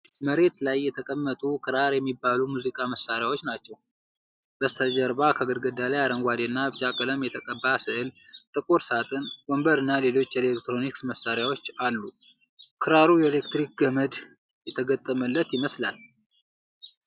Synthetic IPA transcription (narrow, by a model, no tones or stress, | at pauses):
məɾe̞t̪lajːɛt̪ʰəkʼəmːət̪ʼukʰɨɾaɾjɛmːibːalumuzikʼaməsːaɾjawot͡ʃːnat͡ʃːɛw | b̥əst̪ʰəd͡ʒəɾbakʰaɡəɾɡəd̪alajaɾəŋɡʷad̪enːaβt͡ʃʼakʼələmjɛt̪ʰəkʼəbːasɨhɨlt̪ʼɨkʼuɾsat̪ʼɨnwombəɾɨnːale̞lo̞t͡ʃːjele̞kt̪ɾo̞niksməsːaɾjawo̞t͡ʃːalːu | kʰɨɾaɾujɛele̞kt̪ɾik̚ɡəməd̪ | jɛt̪ʰəɡət̪ʼːəməlːət̪jɪməsla̰l